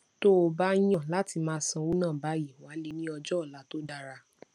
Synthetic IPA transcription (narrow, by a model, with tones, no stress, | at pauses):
to˦o˧ba˦j̃ɔ̃˦˨la˦ti˧mãː˦sã˧wo˦nãː˦˨ba˨˦ji˦˨wa˨˦le˧nĩ˦ɔ˧d͡ʒɔ˦ɔ˦˨la˨˦to˦da˦˧ɾa˧